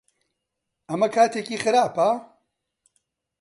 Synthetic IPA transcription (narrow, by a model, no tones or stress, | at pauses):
ʔɐmɐkʰaːt̪ʰeːciːxɨɾaːpɐ